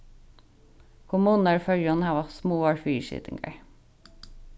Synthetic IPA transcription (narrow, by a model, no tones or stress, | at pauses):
kʰʊmuːnəɹfœljɔnæːʋɑsmuːɑɹfyːʃḭt̪ɪ̰ŋɡə̰ɹ